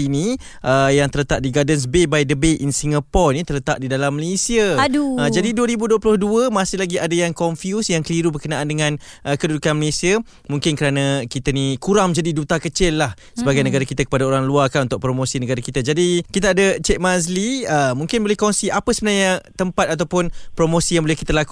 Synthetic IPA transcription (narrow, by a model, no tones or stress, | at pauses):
ini | ʔəjaŋt̪ələt̪aʔ̚diɡadəns̬bebajdəbeʔinsiŋapɔlnit̪ələt̪aʔ̚didalamːəlesiəduəd͡ʒadiduəɾibuduəplʊhduəmasɪhlaɡiadajaŋkɔɱfjusjaŋkəliɾubərkənaʔandəŋãn | ʔəkədudukanməlesiə | muŋkɪnkəɾanakit̪anikuɾamd͡ʒadidut̪akət͡ʃɪlːah | səbaɡajnəɡaɾakit̪akə̥padaoɾaŋluarkanunt̪ʊk̚pɾomosinəɡaɾakit̪ad͡ʒadikit̪aːdət͡ʃɛk̚mazliəmũŋkɪnbolɛhkɔnsiʔapəsəbənaɲət̪əmpat̪̚at̪awpʊnpɾomosijaŋbolɛhkit̪əlaku̥